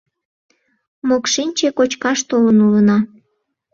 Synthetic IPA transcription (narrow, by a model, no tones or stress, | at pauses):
mokʃinʲt͡ɕekot͡ɕkɑʃt̪olənulənɑ